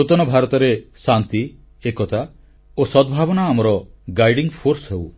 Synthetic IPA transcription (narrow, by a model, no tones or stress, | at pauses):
ut̪ɔnɔbʱaɾɔt̪ɔɾesant̪i | ekɔt̪ʰa | osɔd̪bʱabɔnaːmɔɾɔɡajɖiŋpʰoɾsɔɦew